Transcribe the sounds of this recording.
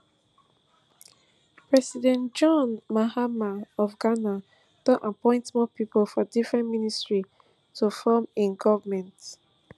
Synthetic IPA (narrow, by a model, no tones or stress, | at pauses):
pɹɛsidɛ̃ntd͡ʒɔ̃nmaɦamaɔfɡana | d̥ɔʔãpɔ̃ɪ̃ntmɔpipolfɔdifɹɛ̃nministɹi | tofɔmĩnɡɔvamɛ̃nt